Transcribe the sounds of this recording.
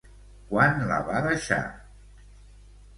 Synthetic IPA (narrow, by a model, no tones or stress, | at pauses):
kwanla̰βaðəʃa̰